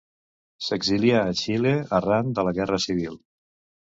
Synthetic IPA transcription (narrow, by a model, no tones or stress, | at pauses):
səɡziliaːʃileərand̪ələɣɛrəsiβ̞ilˠ